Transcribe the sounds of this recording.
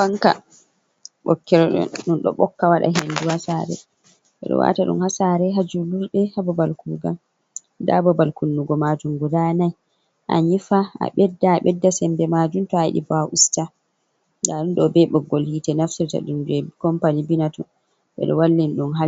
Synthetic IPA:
baŋka̰ | ɓɔkːɛɾɔɗɔ̰nɗunɗɔ̰ɓɔkːawaɗa̰ɦenduhasaɾɛ̰ | ɓɛ̰ɗɔ̰wa̰taɗṵmhasaɾɛɦad͡ʒuluɾɗɛhabɔbalkuːɡa̰m | da̰bɔbalkunːuɡɔmad͡ʒuŋɡuɾanaj | ʔa̰ɲifaa̰ɓɛdːaːɓɛdːasɛmbɛmad͡ʒuntɔajḭɗḭbaʔusta | daɗunɗɔbɛɓɔɡolhitɛnaftiɾta̰ɗund͡ʒɛkɔmpanibinatɔ̰n | ɓɛ̰ɗɔwalːinɗunɦa

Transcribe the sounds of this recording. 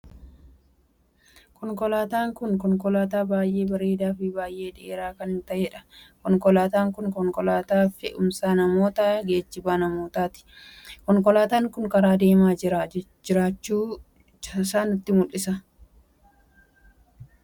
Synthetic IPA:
kɔŋkɔlaːt̪aːŋkʊŋkɔŋkɔlaːt̪aːbaːjʔe̞ːbɐɾe̞ːd̪aːfibaːjʔe̞ːᶑɪʔeːɾaːkɐnɪnt̪ɐʔeːᶑɐ̥kɔŋkɔlaːt̪aːŋkʊŋkɔŋkɔlaːt̪aːfɪʔʊmsaːnɐmo̞ːt̪aːɡeːt͡ʃːɪbaːnɐmo̞ːt̪aːt̪ɪ̥ | kɔŋkɔlaːt̪aːŋkʊŋkɐɾaːd̪e̞ːmaːd͡ʒɪɾa | d͡ʒɪɾaːt͡ʃːuː | saːnɪt̪ːɪmʊlːɪsɐ

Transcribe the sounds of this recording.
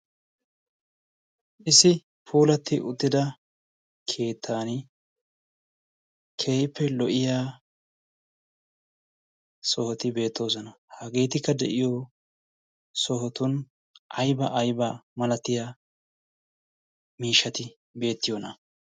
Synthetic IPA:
ʔɪsɪ | fuːlɐt̪ːɪʔʊt̪ːɪd̪ɐ | kʰe̞ːt̪ʰːaːnɪ | kʰejpːɛlɔʔɪjaː | sɔhɔt̪ɪbe̞ːt̪ːo̞ːzɔnɐhɐɡe̞ːt̪ɪkːɐd̪ɛ̰ʔɪjɔ | sɔɦɔt̪ʊn | ʔɐjbɐʔːjbamɐlɐt̪ːɪjaː | miːʃːɐt̪ɪ | be̞ːt̪ːɪjonɐ

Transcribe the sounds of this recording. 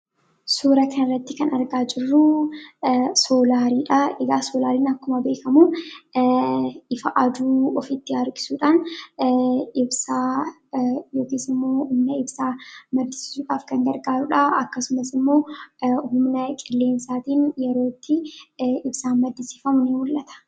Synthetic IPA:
suːɾɐkʰɐnɪrːɐt̪ːɪkɐnɐɾɡaːd͡ʒɪrːʊ | soːlaːɾiːᶑɐɛɡaːsoːlaːɾiːnɐkːʊmɐbe̞ːkɐmuː | ɪfɐʔɐd̪uːɔfit̪ːɪɐɾkʼɪ̥suːᶑaːn | ʔɪbsaː | jo̞ːkiːsɪmːo̞ːhʊmnɐɪbsaːmɐd̪ɪsi̥ːsuːᶑaːfkɐŋɡɐɾɡaːɾʊᶑɐɐkːɐsʊmɐsɪmːo̞ːhʊmnɐkʼɪlːe̞ːnsaːt̪iːnjɛɾo̞ːt̪ːɪʔɪbsaːnmɐd̪ːɪsi̥ːfɐmʊneːwʊlʔɐt̪ɐ̥

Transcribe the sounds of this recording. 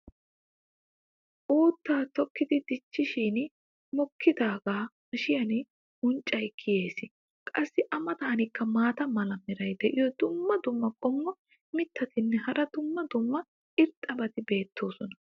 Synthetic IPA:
ʔuːt̪ːaːt̪ɔkːɪd̪ɪd̪ɪt͡ʃːɪʃiːn | mɔkʰːɪd̪aːɡaːmɐʃɪjɐnɪ | ʊnt͡ʃʼːɐjkʰːɪje̞ːsɪ | kʼɐsːɪʔɐmɐt̪aːnɪkːɐmaːt̪ɐmɐlɐmɪɾɐjd̪ɛʔɪjɔd̪ʊmːɐd̪ʊmːɐkʼɔmːɔ | mɪt̪ːɐt̪ɪnːɛhɐɾɐd̪ʊmːɐd̪ʊmːɐ | ʔɪɾt̪ʼːɐbɐt̪ɪbe̞ːt̪ːo̞ːsɔnɐ

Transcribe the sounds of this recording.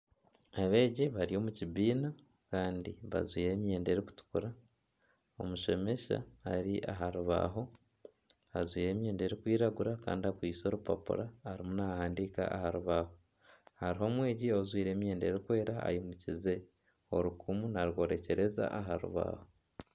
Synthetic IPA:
aβe̞ːɟiβaɾijo̞ːmuciβiːna | kaːndiβa̰zwiːɾe̞ːmje̞ːnde̞ɾiku̥tu̥kuɾa | omuʃe̞me̞ʃa̰ːɾiʔaɦaɾuβa̰ɦo̞ | azwiːɾe̞ːmje̞ːndeɾikwiːɾaɡuɾaka̰ːndiakwiːso̞ɾupa̰pṵɾaːɾimunahaːndiːka̰ahaɾuβaho | haɾiɦo̞ːmwe̞ːɟiozwiːɾe̞ːmje̞ːndeɾikwe̞ːɾaa̰jomucize̞ | o̰ɾukʰumunaɾko̞ːɾe̞ce̞ɾe̞za̰aɦaɾṵβa̰ho̞

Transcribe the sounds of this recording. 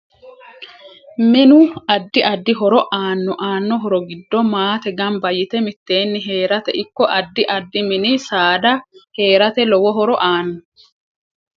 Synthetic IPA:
mɪnʊɐd̪ːɪʔɐd̪ːɪɦɔɾɔʔaːnːɔʔaːnːɔɦɔɾɔɡɪd̪ːɔmaːt̪ɛɡɐmbɐjɪt̪ɛmɪt̪ːe̞ːnːɪɦe̞ːɾɐt̪ɛʔɪkːɔʔɐd̪ːɪʔɐd̪ːɪmɪnɪsaːd̪ɐhe̞ːɾɐt̪ɛlɔwɔɦɔɾɔʔaːnːɔ

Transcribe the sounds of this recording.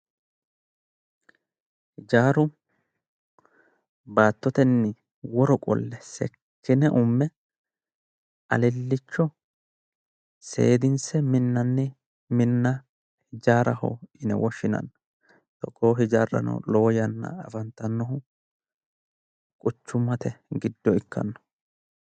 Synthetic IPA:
hɪd͡ʒaːɾʊ | baːt̪ːɔt̪ɛnːɪ | wɔɾɔkʼɔ̰lːɛsɛ̰kʰːɪnɛʔʊmːɛ | ɐ̰lɛlːɪt͡ʃːɔ | se̞̰ːd̪ɪnsɛmɪnːɐnːɛ | mɪnːɐ | hɪd͡ʒaːɾɐhɔ̰ɪnɛ̰wɔʃːɪnɐ̰nːɐ | t̪ɔkʼːoːɦɪd͡ʒaːrːɐ̰nɔ̰loːjɐnːɐ̰ɐfɐnt̪ːɐnːɔhʊ | kʼʊt͡ʃːʊmːɐt̪ɛɡɪd̪ːɔɪkːɐ̰nːɔ̥

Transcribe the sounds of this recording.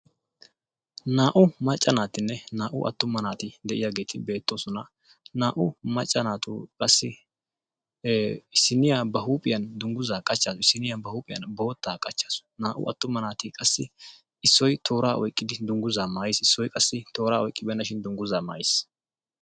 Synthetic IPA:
naːʔʊmɐt͡ʃʼːɐnaːt̪ɪnːɛnaːʔʊ̰ʔɐ̰t̪ːʊmːɐnaːt̪ɪd̪ɛʔɪjaːɡe̞ːt̪ʰɪbe̞ːt̪ːo̞ːsɔnɐ | naːʔʊmɐt͡ʃʼːɐnaːt̪ʊ̰kʼɐsːɪ | ɪsːɪnɪjaːbɐɦuːpʼɪjɐnd̪ʊŋɡʊzaːkʼɐt͡ʃːaːsɔɪsːɪnɪjabɐhuːpʼɪjɐ̰nbɔːt̪ːaːkʼɐt͡ʃːḁːsʊ̥naːʔʊ̰ɐ̰t̪ːʊmɐnaːt̪ɪkʼɐsːɪ | ɪsːɔjt̪ʰo̞ːɾaːʔɔjkʼːɪd̪ɪd̪ʊŋɡʊzaːmaːjɪsɪsːɔjkʼɐsːɪt̪o̞ːɾaːɔjkʼːɪbɛnːɐʃɪnd̪ʊŋɡʊzaːma̰ːjɪs

